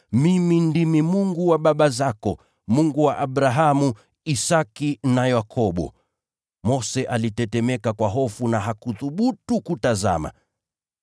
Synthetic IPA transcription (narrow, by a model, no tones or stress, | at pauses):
mimindimimuŋɡuwaɓaɓazakɔ | muŋɡuwaʔaɓɾaɦamu | isakinajakʰɔɓɔ̰ | mɔsɛʔalitɛtɛmɛkakwaɦɔfunaɦakuθuɓutukutaza̰ma̰